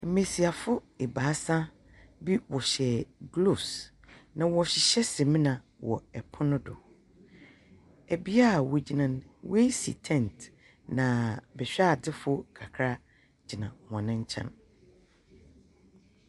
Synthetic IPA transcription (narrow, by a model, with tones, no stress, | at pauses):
m̩˨mẽ˨si˨a˨fʊ˦e˨baː˨˦sã˦ | bi˦wɔ˨ɕɛ˨ɡlo˦˨s | nã˨wɔ˨ɕɪ˨ɕɛ˦sẽ˨mĩ˦nã˨ | wɔ̰˨ɛ˨pʰɔ˦nʊ̃˦dʊ̰˨ | ɛ˨bi˦a˦˨wo˨d͡ʑi˨nã˨nwe˦i˦sḭ˨tʰɛ̃˦nt | nã˨bɛ˨ɕᶣdɪ˦fʊ˦kʰa˨kʰɾa˦ | d͡ʑɪ˨nã˨hɔ̃˨nɪ̃˦ɲ̩˦t͡ɕʰɛ̰̃˦m